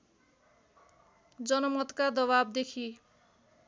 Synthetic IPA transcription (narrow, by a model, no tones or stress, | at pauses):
d͡zʌnʌmʌt̪kad̪ʌβab̚d̪ekʰi